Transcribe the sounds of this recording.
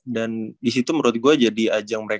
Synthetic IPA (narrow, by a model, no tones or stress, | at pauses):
dandisit̪uməɾuat̪̚ɡuad͡ʒadiad͡ʒaŋməɾe